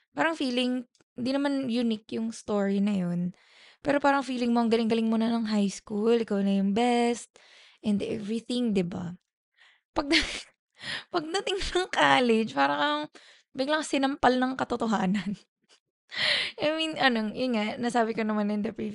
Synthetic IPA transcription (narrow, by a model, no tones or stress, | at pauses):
paːɾɐŋfiːlɪŋ | ɪnd̪inɐmanjʊnɪkjʊŋst̪oːɹinɐjon | pɛːɾo̞paːɾɐŋfiːlɪŋmoʔɐŋɡɐlɪŋɡɐlɪŋmunɐnɐŋɦajskulɪkawnɐjʊŋbɛst̪̚ | ʔɛnd̪ɛ̰vɹiθɪŋd̪ɪba̰ | pɐɡ̚d̪ɐ | pɐɡ̚d̪ɐt̪ɪŋnɐŋkaːlɪd͡ʒpaːɾɐkɐŋ | bɪɡlɐŋsɪnɐmpalnɐŋkɐt̪ot̪oɦaːnɐn | ʔajminʔɐnojʊnŋaʔnɐsaːbɪkonɐmanɛnd̪ɐpi